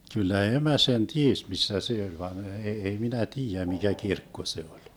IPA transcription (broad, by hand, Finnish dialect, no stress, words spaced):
kylːæ emæ sen ties misːæ se olʲ ʋɑn e ei minæ tiːjæ mikæ kirkːo se olʲ